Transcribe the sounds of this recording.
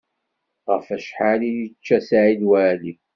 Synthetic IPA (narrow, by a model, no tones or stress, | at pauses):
ʁəfæʃħalijt͡ʃːæsaʕiðwæli